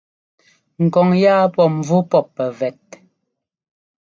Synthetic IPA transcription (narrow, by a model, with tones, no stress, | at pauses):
ŋ̩˨kɔ˨ŋjaː˦pɔ˨m̩˨vu˦pɔ˦˨pːɛ˨vɛ˨t̚